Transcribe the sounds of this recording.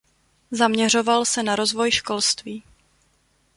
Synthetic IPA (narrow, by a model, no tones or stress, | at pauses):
zamɲɛr̝o̞valsɛnaɾo̞zvo̞jʃko̞lst̪viː